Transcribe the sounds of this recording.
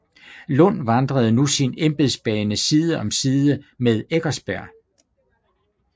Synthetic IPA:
lɔn̰ʋɑ̈nd̥ʁɐð̞̩ˠnusinemb̥eðˠsb̥ɛːnəsiːð̞ˠəɒ̽msiːðˠəmeðˠeɡ̥ɐsb̥æɐ̰

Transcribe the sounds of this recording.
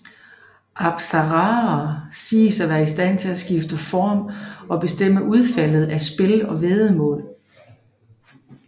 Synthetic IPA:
ʔɑ̈b̥sɑʁɑ̈ɐsḭːsæʋæːɐisd̥æn̰t͡sʰe̝læsɡ̥ifd̥əfɒːmɒ̽b̥e̝sd̥em̰əʔuð̞ˠfæl̰ð̩ˠæsb̥e̝lɒ̽ʋeːðˠəmɔ̰̽ːl

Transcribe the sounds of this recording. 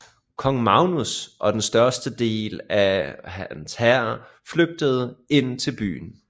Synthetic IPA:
kʰɒ̽ŋmɑ̈ʊnusʔɒ̽d̥ensd̥ɶɐsd̥əd̥e̝̰ːlæænshæɐ̰ | fløɡ̥̚d̥əð̞̩ˠəe̝n̰t͡sʰe̝lb̥y̰ːn̩

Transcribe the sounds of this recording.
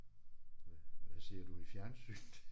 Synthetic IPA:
ʋæse̝ɐ̰d̥uifjæɐnsyɡ̥̚d̥

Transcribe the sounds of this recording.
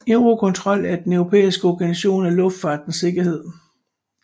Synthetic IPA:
eʊʁo̝kʰɔ̽nt͡sʰʁɒ̽l̰æd̥enœʊʁo̝pʰḛːisɡ̥əɒɡ̥ænsæɕo̝̰ːnælɔ̽fd̥fɑ̈ːd̥n̩se̝ɡ̥ɐhe̝ð̰ˠ

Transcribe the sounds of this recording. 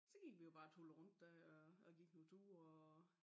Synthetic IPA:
sɒ̽ɡ̥i̥ʋijo̝b̥ɑ̈ːt͡sʰol̩ˠʁɔ̽n̰d̥ːæɒɒɡ̥iɡ̥nut͡sʰuːɒ

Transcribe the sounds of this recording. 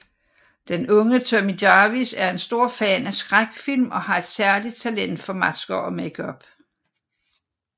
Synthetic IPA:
d̥enɔ̽ŋət͡sʰøɐmidɑʋisæɐe̝nsd̥o̝ɐ̰fɛːnæsɡ̥ʁaɡ̥filmʔɒ̽hɑ̈e̝d̥sæɐlid̥̚t͡sʰælen̰d̥fɒ̽mæsɡ̥ɐʔɒ̽meɡ̥ʰɒb̥

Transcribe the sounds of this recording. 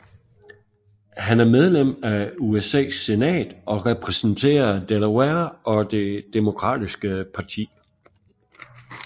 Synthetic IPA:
hænæɐmeð̞ˠlem̰æuesɛ̰ːsːe̝nɛ̰ːd̥ɒ̽ʁɛpʰʁɛsn̩t͡sʰe̝̰ːɐd̥elweɐʔɒ̽d̥e̝d̥emo̝kʰʁɑ̰̈ːd̥isɡ̥əpʰɑ̈t͡sʰḭː

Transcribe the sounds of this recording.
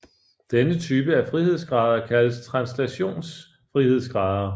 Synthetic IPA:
d̥enət͡sʰyːb̥əæɐfʁihe̝ð̞̰ˠsɡ̥ʁɑ̈ðˠɐkʰæləst͡sʰʁɑ̈nslæɕo̝̰ːns | fʁihe̝ð̞̰ˠsɡ̥ʁɑ̈ðˠɐ

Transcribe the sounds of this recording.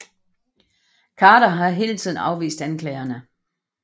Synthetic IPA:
kʰɑ̈ːɾɐɦɑ̈ɦe̝ːlt͡sʰið̰ˠn̩ɑ̈ʊʋḭːsd̥ænkʰlɛːɐnə

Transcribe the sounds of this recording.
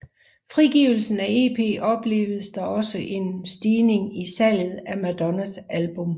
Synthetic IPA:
fʁiɡ̥iʊl̩sn̩æe̝̰ːpʰe̝̰ːʔɒ̽b̥le̝̰ːʊð̩ˠsd̥ɑ̈ɒ̽səʔe̝nsd̥iːne̝ŋisɛljð̩ˠæmæd̥ɒnæsʔælb̥ɔ̽m

